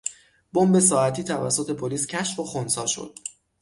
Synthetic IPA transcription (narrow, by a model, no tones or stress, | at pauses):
bombe̞sɒːæt̪ʰiːt̪ʰævæ̰sːot̪ʰe̞pʰoliːscʰæʃfoxonsɒːʃo̞̰d̪̥̚